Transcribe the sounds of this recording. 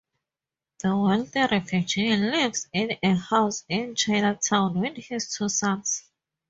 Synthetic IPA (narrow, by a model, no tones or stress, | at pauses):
ðəwɛlθɛɹɛfjud͡ʒinlivsɪ̃nehaʊsɪ̃nt͡ʃaɪnatʰãʊ̃nwinhistʰusãns